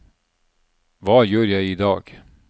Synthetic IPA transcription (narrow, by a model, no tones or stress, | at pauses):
vɑjœːɾjajɪd̪ɑːɡ̥